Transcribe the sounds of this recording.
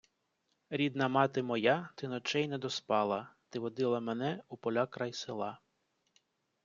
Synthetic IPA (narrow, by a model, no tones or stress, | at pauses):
ɾʲid̪nɐmɑt̪ɪmɔjat̪ɪnɔt͡ʃɛjnɛd̪ɔspɑlˠɐt̪ɪʋɔd̪ɪlˠɐmɛnɛupɔlʲakɾɑjsɪlˠɑ